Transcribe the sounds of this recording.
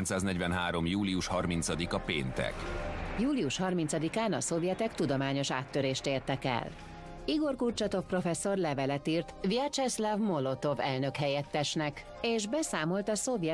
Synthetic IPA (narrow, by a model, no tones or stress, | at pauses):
nt̪saːznɛɟvɛnɦaːɾo̞mjuːliuʃhɒrminsɒd̪ikɒpḛːnt̪ɛ̰kjuːliuʃhɒrmint̪sɒd̪ikaːnɒso̞vjɛt̪ɛkt̪ud̪omaːɲo̞ʃa̰ːt̪ːøɾeːʃt̪eːrt̪ɛkɛ̰l | iɡo̞rkurt͡ʃɒt̪o̞fpro̞fɛsːo̞rlɛvɛlɛt̪iːrt̪viɛt͡ʃɛslɛvmo̞lo̞t̪o̞vɛlnø̞khɛjɛt̪ːɛʃnɛk | eːʒbɛsaːmo̞lt̪ɒso̞vjɛ